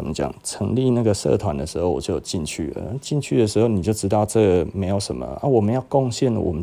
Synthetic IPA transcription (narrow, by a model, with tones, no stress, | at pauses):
ə˨˩mə˧t͡ɕjɑ̰˨˩ŋt͡sʰɤ˧˥ŋli˥˧˨na˥˩ɡə˩sɤ̰˥˨t̪ʰwa˧˦nd̪ə˧ʂɻ̩˧˥xo˥ʊwɔ̰˨˩t͡ɕjo˥˩ʊjo˨˩ʊt͡ɕi˥˧nt͡ɕʰy̰˥˩lə̰˨˥t͡ɕi˥˧nt͡ɕʰy˥˩d̪ə˩ʂɻ̩˧˥xo˥˩ʊni˨˩t͡ɕjo˥˩ʊʈ͡ʂɻ̩˧˥t̪ɑ˥˧ʊʈ͡ʂɤ˥˩ɡə˩me˧˥ɪjo˨˩ʊʂə̰˧˦mə̰˨ʔa˥wɔ˨˩mə˨˦njɑ˥˧ʊkɔ˥˧ŋɕjɛ˥˩nlə̰˨˩wɔ˨˩mə˦